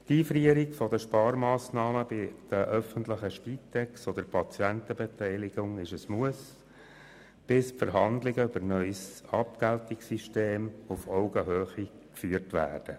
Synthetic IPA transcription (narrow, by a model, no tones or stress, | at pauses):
tiːfɾiəɾiɡfɔd̪əʃpɑːɾmɑːsnɑːməbɪd̥̪əʔœfəntləχəʃpiːtːɛksɔd̪əɾpʰɑt͡sjɛnt̪əbɛtɛɪlɪɡʊŋɪʃəsmuəs | b̥ɪspfəɾɦɑnd̪lɪɡəʏbəɾnœʏsɑp̚kæltɪksiʃteːmufɔʊɡəɦøːχi | kfyːərtʋæ̰ːrd̥ə